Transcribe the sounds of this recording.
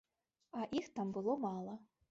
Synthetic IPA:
aʔixt̪ambɨlˠomɑlˠɐ

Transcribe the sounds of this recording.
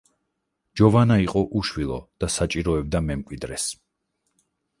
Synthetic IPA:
d͡ʒɔvanaiqʼɔʔuʃwilˠɔ̰d̪̥asat͡ʃʼiɾɔɛb̚d̪amɛmkʼwid̪ɾɛs

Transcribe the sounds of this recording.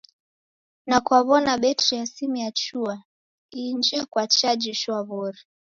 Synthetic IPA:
nakuaβɔnaɓɛtɾiasimijat͡ʃua | ind͡ʒɛkwat͡ʃad͡ʒiʃwaβɔɾi

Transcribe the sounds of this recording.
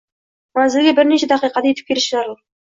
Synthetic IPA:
mæzɪlɡʲebɪɾneɕed̪ɑqijqɑt̪ajet̪ɪ̥p̚kʰʲelɪʃʒɑɾlˠ

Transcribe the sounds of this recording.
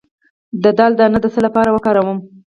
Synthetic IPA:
d̪əd̪ɑld̪ənad̪əsəlapɑɾawəkɑɾawəm

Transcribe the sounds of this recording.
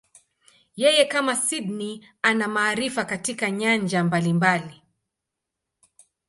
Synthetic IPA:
jɛjɛkamasidni | anamaːɾifakatikaɲand͡ʒambalimbali

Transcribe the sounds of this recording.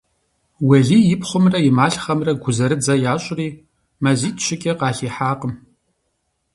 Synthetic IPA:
wɐɮiːjɪpχʷʊmrɐjɪmaːɬχɐmrɐɡʷʊzɐɾɨd͡zɐjaːɕʼriː | mɐziːtʰʼɕʰɪkʲʼɐqɑːɬiːħaːqəm

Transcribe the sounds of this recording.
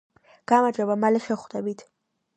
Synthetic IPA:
ɡ̥amad͡ʒɔbamalɛʃɛχd̪ɛbit̪ʰ

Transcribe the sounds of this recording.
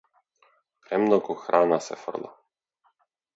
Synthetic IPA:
pɾɛmnɔɡɔxɾʔaːnasɛ̰fə̰rlˠɔ̰

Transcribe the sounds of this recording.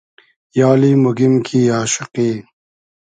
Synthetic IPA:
jaːlimoɡimkʰiːaːʃɪqiː

